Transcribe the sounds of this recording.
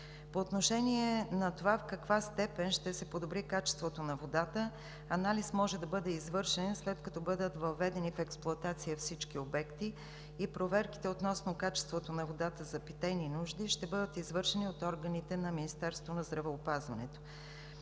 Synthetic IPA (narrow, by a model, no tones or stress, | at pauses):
poːt̪noʃɛniɛnɐt̪ovafkɐkvast̪ɛpɛnʃt̪ɛsɛpod̪obɾikat͡ʃɛ̥st̪vot̪onɐvod̪at̪ə | ɐnalismɔʒɛd̪ɐbɤd̪ɛizvɤɾʃɛnslɛt̪kɐt̪ɔbɤd̪ət̪vɐvɛd̪ɛnifɛksplˠʊɐt̪at̪sijəfsit͡ʃkiobɛkt̪iː | pɾovɛɾki̥t̪ɛot̪nɔsnokat͡ʃɛ̥st̪vot̪onɐvod̪at̪əzɐpit̪ɛninuʒd̪iʃt̪ɛbɤd̪ət̪izvɤɾʃɛniot̪ɔɾɡənit̪ɛnɐminist̪ɛɾst̪vonɐzd̪ɾɐvɛopazvɐnɛ̰t̪o̥